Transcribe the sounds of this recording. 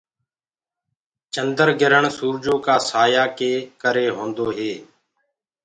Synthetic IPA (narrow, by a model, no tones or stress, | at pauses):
t͡ʃənd̪əɾɡɪɾəɳsuːɾd͡ʒoːkaːsaːjaːkeːkəɾeːɦõːnd̪oːɦeː